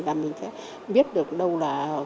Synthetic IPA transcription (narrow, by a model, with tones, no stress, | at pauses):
laː˨˩mï˨˩ŋ̟sɛ̰ː˧˦ | ɓi˦˥ət̚ɗɨ˨˩ək̚ɗə˧wlaː˨˩